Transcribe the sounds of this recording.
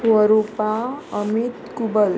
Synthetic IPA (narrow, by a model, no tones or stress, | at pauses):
wɔɾopaʌmit̪kubʌl